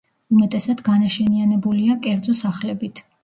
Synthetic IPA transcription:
umɛt̪ʼɛsad̪̥ɡanaʃɛnianɛbuliakʼɛɾd̪zɔsaχlɛbit̪ʰ

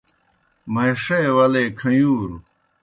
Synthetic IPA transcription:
mɐjʂewɐlekʰɐ̃juːɾu

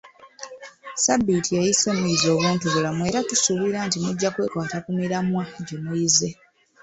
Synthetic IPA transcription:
sabːitʰijejise̞ːmiizo̞ːβweːntoɡolamwe̞ːɾatusuβiɾaːntimuɟːakwe̞ːkwaːtakumiɾamwaɟemujize̞

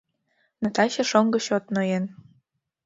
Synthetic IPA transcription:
nɤ̆t̪ɑɕĕʃoŋɡɤ̆ɕot̪nojen

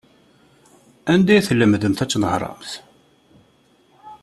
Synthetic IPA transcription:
ænd̪æjθəlːəmðəmθæt͡sːnəhɾˤɑ̰mθ

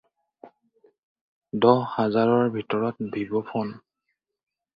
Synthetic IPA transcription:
dɔhazaɹɔɹbʱitɔɹɔt̚bʱibɔpʰɔn

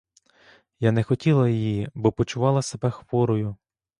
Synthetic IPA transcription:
janɛxɔtʲilˠɐjɔjibɔpɔt͡ʃʊʋɑlˠɐsebɛxʋɔɾɔjʊ

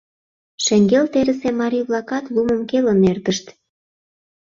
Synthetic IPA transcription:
ʃeŋɡelt̪eɾə̆semɑɾijβlɑkɑt̪lumə̆mkelə̆nert̪əʃt̪

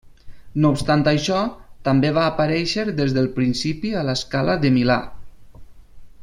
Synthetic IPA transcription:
nowpst̪ant̪aʃɔt̪ambeβaːpaɾɛʃəɾðezðəlˠpɾinsipiələskaləðəmila̰

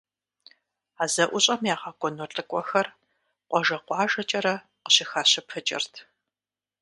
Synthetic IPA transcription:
aːzɐʔʷʊɕʼɐmjaːʁɑːkʷʼɔnɔɬʼɨkʷʼɔxɐr | qʷʼɔʒɐqʷɑːʒɐt͡ʃʼɐɾɐ | qəɕɪxaːɕɪpʰɨt͡ʃʼɪ̰rtʰ

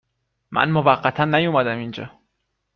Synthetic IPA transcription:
mʔæ̰nmovæɢːæt̪ʰænːæjumæd̪æmind͡ʒɒ̰ː

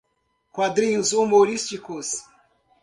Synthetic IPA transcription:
kwad̪ɾĩɲʊzumoɾist͡ʃikus

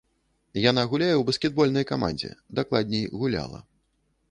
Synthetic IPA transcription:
jan̪aɣulʲajɛwbɐsʲkʲɛd̪̚bɔlʲnɐjkama̰nʲd͡zʲɛ̰d̪aklˠad̪ʲnʲɛjɣulʲa̰lˠɐ̰

